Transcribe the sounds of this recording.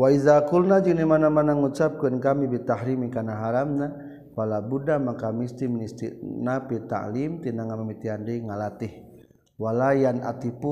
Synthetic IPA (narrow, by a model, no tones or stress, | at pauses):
waizakulnad͡ʒinimanamanaŋut͡ʃap̚kənkamibit̪ahɾimikanaɦaɾamna | walabudamakamist̪imnist̪inapit̪a̰ʔlimt̪inaŋamamit̪iɦandəiŋalat̪ih | walajana̰t̪ipu